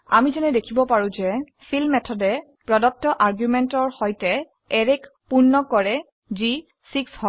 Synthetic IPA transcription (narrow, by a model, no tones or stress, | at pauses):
a̰mizɛnɛdekʰibɔpaɹũzɛ | pʰilmɛtʰɔdɛ | pɹɔdɔk̚tɔʔaɹɡjumɛntɔɹhɔjtɛ | ɛɹɛkpunːɔkɔɹɛ | zi | sikshɔ